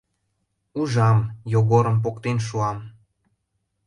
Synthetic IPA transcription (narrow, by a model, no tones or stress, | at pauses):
uʒɑmjoɣoɾəmp̬okt̪enʃ̬uɑm